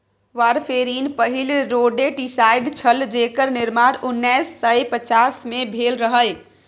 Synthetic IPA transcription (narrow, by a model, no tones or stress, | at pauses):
ʋaɾpʰeɾinpəɦilɾoɖeʈisajɖt͡ʃʰəld͡ʒekəɾniɾmaɾunːɛjsːəjpət͡ʃasmebʱelɾəɦəl